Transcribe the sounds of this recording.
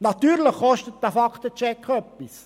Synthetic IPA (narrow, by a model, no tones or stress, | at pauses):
nɑt̪yːɾləχːɔʃtət̪̚dæfɑkʰt̪ət͡ʃɛkχœpːis